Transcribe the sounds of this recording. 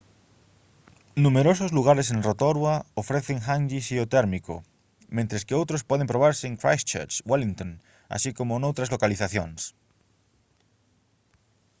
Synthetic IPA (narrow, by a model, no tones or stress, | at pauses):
nũmeɾosozluɣ̞aɾes̬enrot̪oɾwaofɾeθeŋxãŋɡisiot̪eɾmiko̰ | mẽnt̪ɾeskeowt̪ɾospweð̞empɾoβaɾseŋkɾa̰jst͡ʃḛɾt͡ʃwalint̪õn | a̰sikomonowt̪ɾazlokaliθaθjons